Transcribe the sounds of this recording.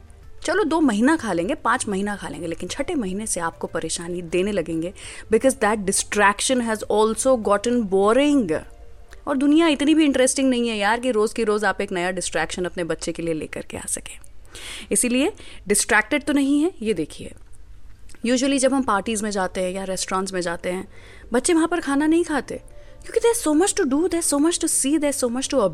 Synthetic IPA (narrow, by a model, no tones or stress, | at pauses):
t͡ʃɐlod̪oːmɐɦiːnakʰaːlẽːŋɡepãːt͡ʃmɐɦiːnakʰaːlḛ̃ːŋɡeleːkɪnt͡ʃʰɐʈemɐɦiːneseaːp̚kopɐɾeːʃaːnid̪eːnelɐɡẽːŋɡebɪkɔːzd̪ɛːʈ̚ɖɪsʈɾɛːkʃə̃nɦɛzɔːlsoɡɔːʈə̃nbɔːɾɪ̃ŋɡ | ɔːɾd̪ʊnijaɪt̪nibʱiɪ̃ɳʈɾɛsʈɪ̃ŋɡnɐɦĩɦɛjaːɾkiɾoːzkiɾoːzaːpeːknɐjaɖɪsʈɾɛːkʃə̃nɐpnebɐtːʃekelielḛːkɐɾkḛa̰ːsɐkẽ̥ːɪsilieɖɪsʈɾɛːk̚ʈɪɖ̚t̪onɐɦĩɦɛjed̪eːkʰiḛː | juːʒuəlid͡ʒɐbɦɐ̃mpaːɾʈiːzmẽd͡ʒaːt̪eɦɛ̃jaɾɛsʈɾãːnʈsmẽd͡ʒaːt̪eɦɛ̃ː | bɐtːʃeʋɐɦãpɐɾkʰaːnanɐɦĩkʰaːt̪ḛ | kjõːkid̪eːɾsoːmɐt͡ʃʈuɖud̪ɛ̥soːmɐt͡ʃʈusiːd̪ɛsoːmɐt͡ʃʈuɐ